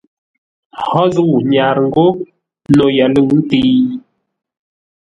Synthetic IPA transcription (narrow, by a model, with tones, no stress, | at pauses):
hɔ˦zwɲa˨ɾŋ̩˦ɡo˦ | no˨ja˨lə˦˨wn̩˦ti˦